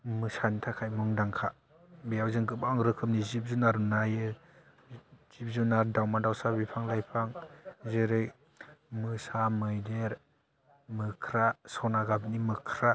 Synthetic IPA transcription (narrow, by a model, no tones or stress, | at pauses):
mɯsantʰakʰajmuŋdaŋkʰa | bijawzɯŋɡɯpaŋɾɯkʰɯm̚nizip̚zunaɾnajɯ | z̥ip̚zunaɾdawmadawsabipʰaŋlajpʰaŋzɯɾɯj | mɯsamɯjdeɾ | mɯkʰɾasɔnaɡab̚nimɯkʰɾa